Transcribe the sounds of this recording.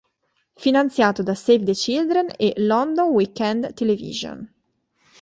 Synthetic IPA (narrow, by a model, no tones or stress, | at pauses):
finant̪sjaːt̪od̪asevd̪et͡ʃild̪ɾenelɔnd̪onwikːɛnd̪t̪elevḭzo̰n